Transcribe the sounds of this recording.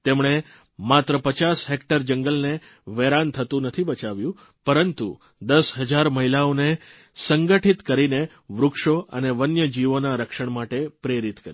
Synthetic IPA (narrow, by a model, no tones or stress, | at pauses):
t̪emɳ̃e | mat̪ɾəpət͡ʃasɦekʈəɾd͡ʒəŋɡəlne | ʋeɾant̪ʰət̪ũnət̪ʰibət͡ʃaʋjũ | pəɾənt̪ṵ | d̪əsɦəd͡ʒaɾməɦilaone | səŋɡəʈʰit̪kəɾine | ʋɾʊkʃoə̰neʋənjəd͡ʒiʋonaɾəkʃəɳ̃maʈepɾeɾit̪kəɾi